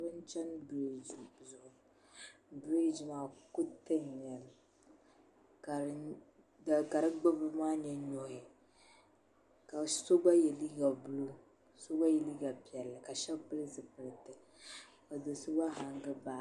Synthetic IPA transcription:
bɨ˦n˦t͡ʃɛ˦nbɾi˦˨d͡ʒzʊ˨ʔʊ˨ | bɾi˦d͡ʒmaː˨kʊ˦tɨ˦n˨ɲɛ˨l | ka˨ɾ | a˨ɡa˨ɾɨ˦ɡ͡bɨ˦bɨ˦maː˦ɲɛ˦ɲo˨hɪ˨ | ka˨so˦ba˦jɛ˨li˦ɡa˨bʊ˦lo˦ | so˦ba˦jɛ˨li˦ɡa˨pi˨ɛ˨lːɨ˨ka˨ʃɛ˦pɨ˦lɨ˦zɨ˨pɨ˨lɨ˨tɨ˨ | ka˨do˨sʊ˦ba˦ɦa˨ŋɡɨ˦ba˨˦˨

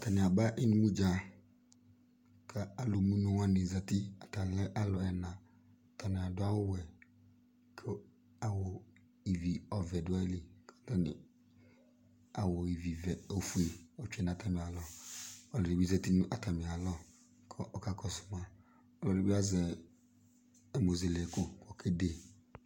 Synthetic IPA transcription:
a˨ta˨nɪ˨a˨ba˦ʔi˦ni˨˦mu˦d͡ʒa˨ | kʰa˨a˨lo˨mu˦nu˨wa˦ni˨za˨ti˦a˨ta˨lɛ˦ʔa˦lɔ˨ɛ˨nã˨ | ta˨nɪ˨a˨dʊ˦a˦wʊ˦wɛ˨ | kʰɔ˦ | a˨wɔ˨ | i˨vi˨ɔ˨vɛ˨dʊ˨˦a˦li˨kḁ˨ta˦nɪ̰˨ | a˨wɔ˨i˨vi˨vɛ˨o˨fu˨e˨ɔ˨t͡ʃɛ˨nã˨ta˦˨mi˨a˨lɔ˨ɔ˨lɔ˨i˨bi˦zɛ˨ti˦nũ˦ʔa˨ta˨mi˨a˨lɔ˦ | kʰɔ˨ʔɔ˦ka˨kɔ˦˨sʊ̥˨ma˨ | ɔ˦lɔ˨ɾi˨bi˦a˦zɛ˨ | ɛ˨mo˨ze˨lko˦kɔ˨kʰe˦de˦˨

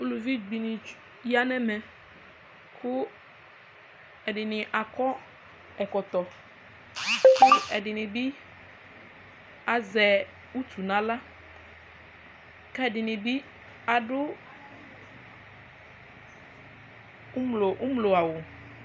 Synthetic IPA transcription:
u˦lu˨vi˦ɡ͡bi˨nɪ̃˨ | ja˦nɛ̃˦mɛ̃˨ | kʊ˦ | ɛ˨ɖɪ˨nɪ̃˨ʔa˨kɔ˦ | ɛ˨kɔ˨t̪ɔ˨ | kʊ˦ɛ˨ɖɪ˨nɪ̃˨bi˦ | a˨zɛ˨ | u˦tu˨nã˨la˦ | kɛ˦˨ɖɪ˨nɪ̃˨bi˦ | a˨ɖʊ˦ | mlo˨u˦mlo˨a˨wo˨

